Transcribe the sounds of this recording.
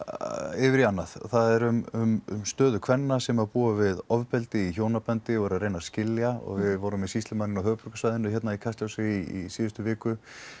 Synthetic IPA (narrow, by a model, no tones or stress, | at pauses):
ɪvɪɾianːaðθaðɛɾʏmʏmmst̪œːðʏkʰv̥ɛnːasɛmapuːavɪðɔvpɛlt̪ɪiçoːwnapɛnt̪ɪɔɣɾaðɾeːjnascɪljaɔ̰ɣvɪðvɔːwɾʏmisist̪ɪmanɪnawɦœːɣpʏɾkasvajðɪnʏçjɛt̪naikʰast̪jawsɪiḭsiːðʏst̪ʏvɪːkʏ